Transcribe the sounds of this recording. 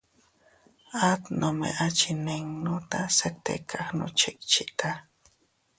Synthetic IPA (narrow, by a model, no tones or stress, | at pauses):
at̪nʔomḛʔat͡ʃɪneŋnʊt̪aset̪ḛkʰaχnʊ̰t͡ʃɪk̚t͡ʃɪt̪a